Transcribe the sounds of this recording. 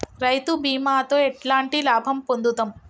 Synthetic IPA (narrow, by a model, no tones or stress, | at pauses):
ɾɐjt̪ubiːmaːt̪oːeʈlaːɳʈilaːbʱɐmpond̪ut̪ɐm